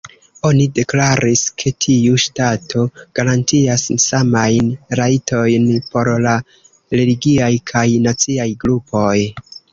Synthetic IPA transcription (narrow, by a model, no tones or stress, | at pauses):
o̞nide̞klaɾʔiskʰe̞tʰiuʃtatʰo̞ɡ̥aɾantiassamajnɾajtʰo̞jnpo̞ɾla | ɾe̞liɡiajkʰajnat͡siajɡɾupo̞j